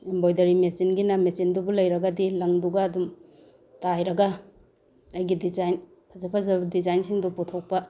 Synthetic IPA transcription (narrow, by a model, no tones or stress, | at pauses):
imbojdɐɾimesinɡinɐmesindubulɐjɾɐɡɐdilɐŋduɡɐːdum | tajɾɐɡɐ | ɐjɡidizajn | pʰɐzɐpʰazɐbɐdizajnsiŋduputʰok̚pɐ